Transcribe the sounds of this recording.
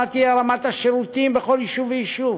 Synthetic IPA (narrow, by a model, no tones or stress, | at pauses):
at̪iaɾamat̪aʃeɾut̪imbeχoljiʃuvejiʃuv